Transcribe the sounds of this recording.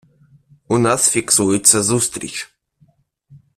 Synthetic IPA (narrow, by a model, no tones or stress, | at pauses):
unasfʲiksujɪt̪sazust̪ɾʲḭt͡ʃ